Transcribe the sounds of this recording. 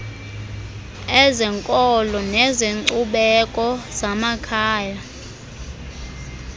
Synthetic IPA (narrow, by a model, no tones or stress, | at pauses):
ɛzɛŋkʼɔlɔnɛzeuɓɛkʼɔz̥amakʰaːja